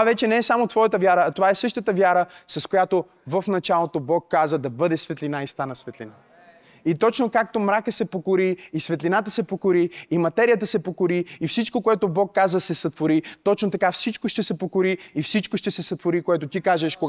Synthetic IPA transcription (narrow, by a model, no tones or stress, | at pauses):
tavɛt͡ʃɛnɛɛsamot̪vɔjət̪əvʲjaɾəːt̪ovaɛsɤʃt̪ət̪əvʲjaɾəsɐskojat̪o | vəfnɐt͡ʃalˠot̪obɔkːazəd̪ɐbɤd̪ɛsvɛt̪linaist̪anɐsvɛt̪lina | it̪ɔt͡ʃnokak̚t̪omɾakəsɛpokoɾiːsvɛt̪linat̪əsɛpokoɾiːmɐt̪ɛɾijət̪əsɛpokoɾiːfsit͡ʃkokoɛt̪obɔkːazəsɛsɐt̪voɾit̪ɔt͡ʃnot̪ɐkafsit͡ʃkoʃt̪ɛsɛpokoɾiifsit͡ʃkoʃt̪ɛsɛsɐt̪voɾikoɛt̪ot̪ikaʒɛʃko